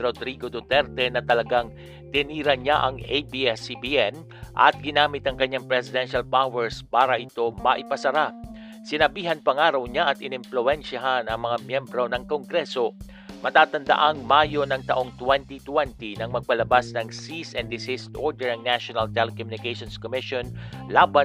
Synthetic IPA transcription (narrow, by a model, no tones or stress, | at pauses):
ɾod̪ɾiɡo̞d̪ot̪ɛɾt̪ɛnɐt̪ɐlɐɡaŋ | t̪ɪniːɾɐɲaʔɐŋejbiɛsibiʔɛn | ʔɐ̰t̪̚ɡɪnaːmɪt̪̚ɐŋkɐɲːaŋpɾɛsɪd̪ɛnʃɐlpawɛɹspaːɾɐʔɪt̪o̞mɐʔɪpɐsɐɾa | sɪnɐbiːɦɐnpɐŋaːɾɐwɲaʔɐt̪ɪnɪmplʊɛnʃɐɦanɐŋmɐŋamjɛmbɾo̞nɐŋkoŋɡɾɛso̞ | mɐt̪aːt̪ɐnd̪ɐ̰ʔaŋmaːjo̞nɐŋt̪ɐʔo̞ŋt̪wɛnt̪it̪wɛnt̪inɐŋmɐɡ̚pɐlɐbasnɐŋsisɛnd̪ɪsɪst̪ʔoɹd̪ɛɹɐŋnaʃonɐlt̪ɛlɛkomjʊnɪkejʃonskomɪʃonlaːbɐn